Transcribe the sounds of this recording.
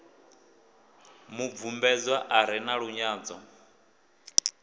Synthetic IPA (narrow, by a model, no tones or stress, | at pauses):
muvumbɛd͡zwaʔaɾ̤ɛnaɺuɲaːd͡zɔ